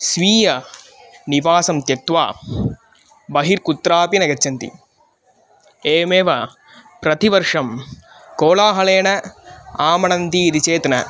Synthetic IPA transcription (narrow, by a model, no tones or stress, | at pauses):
sʋiːjɐ | niʋaːsɐmt̪jɐt̪ʋa̰ː | bɐɦiɾkut̪ːɾaːpinɐɡɐtːt͡ʃːɐnt̪ḭ | eːmeːʋɐ | pɾɐt̪iʋɐɾʂɐm | koːlaːɦɐleːɳɐaːmɐɳɐnt̪iːd̪it͡ʃeːt̪ɐnɐ